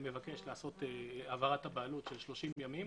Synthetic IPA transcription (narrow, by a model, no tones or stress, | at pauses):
me̞vake̞ʃlaːso̞teavaʁathabaːlutʃelʃlo̞ʃimjamim